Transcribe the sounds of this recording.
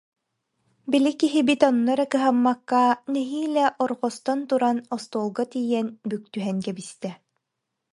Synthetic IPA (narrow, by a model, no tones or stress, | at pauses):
bilikiɦibit̪ɔnːɔɾɛkɯɦamːakːanɛɦiːlɛʔɔɾʁɔst̪ɔnt̪uɾanɔst̪uːlˠɡɔt̪ijɛnbyk̚t̪yɦɛŋkɛbist̪ɛ